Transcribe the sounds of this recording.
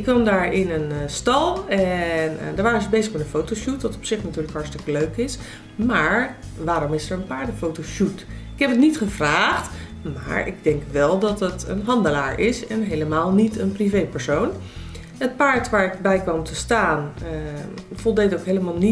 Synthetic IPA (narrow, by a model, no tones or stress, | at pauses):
ɪkːʋɑmdaːɹɪnənstɑlˠɛndəɹʋaːɾənzəbejzəχmɛtənfowtowʃutʋɑtɔpsɪχnatyːɹləkɦɑɹtstɪkəløɥkɪs | maːɹʋaːɾɔmɪsəɹənpaːɹdəfowtowʃutɪ̥kɦɛpətnitχəvraːχt | ma̰ːɹʔɪ̰ɡ̚dɛŋkʋɛlˠdɑtətə̰nɦɑndəlaːɹɪsɛnɦejləmaːlˠnitənprivejpəɹsown | ɦət̚paːɹtʋaːɹɪkbɛjkʋɑmtʰəstaːn | v̥ɔlˠdejtowkɦeləmaːlˠni